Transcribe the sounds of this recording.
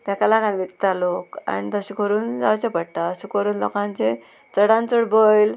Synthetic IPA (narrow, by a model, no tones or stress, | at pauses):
t̪ãkalaɡãnʋik̚t̪aloka̰nit̪əɕukʰəɾuːnd͡zaʋt͡ɕepəɽʈ̪aəɕukəɾuːnlɔ̰kãnt͡ɕe | t͡səɽãnt͡səɽbɔjl